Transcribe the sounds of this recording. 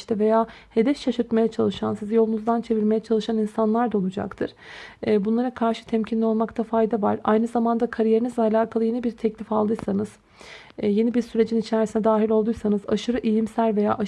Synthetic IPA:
ʃt̪ɛve̞jaːhe̞d̪ɛfʃaʃuɾt̪me̞jɛt͡ʃʰalˠɯʃansizijo̞lˠunuzd̪ant͡ʃʰe̞viɾme̞jɛt͡ʃʰalˠɯʃaninsanlˠaɾd̪aolˠud͡ʒa̰kt̪ʰɯɾ̥ɛbunlˠaɾakʰaɾʃɯ̥t̪ʰɛmcʰinlʲio̞lˠmakt̪ʰafajd̪avaɾa̰jnɯzamand̪akʰaɾijeɾinizlʲɛalʲaːkʰalˠɯje̞nibiɾt̪ʰɛclʲifalˠd̪ɯjsanɯz̥ | je̞nibiɾsyɾe̞d͡ʒinit͡ʃʰæɾisinɛd̪aːɦilʲo̞lˠd̪ujsanɯza̰ʃɯɾɯʔijimsælʲve̞ja̰ːʔa

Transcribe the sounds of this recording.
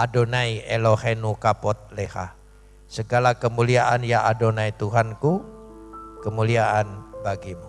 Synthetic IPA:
adonaielohenukapɔt̪̚leha̰ | səɡalakəmuliaʔanjaʔadonait̪uɦanku | kəmuliaʔanbaɡimu

